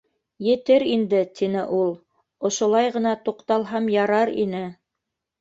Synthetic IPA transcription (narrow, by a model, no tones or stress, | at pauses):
jɘ̆t̪ɘɾind̪ɘt̪inɘʔulˠ | ŏʃŏlˠɑjʁɤ̆nɑt̪uqt̪ɑlˠɦɑmjɑɾɑɾḭnɘ